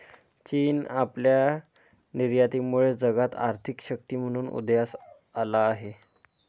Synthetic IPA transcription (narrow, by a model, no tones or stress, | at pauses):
t͡ɕiːnaplja | niɾjat̪imuɭed͡zəɡat̪a̰ɾt̪ʰikɕək̚t̪iːm̤əɽ̃uːnṵd̪jas | alaːɦe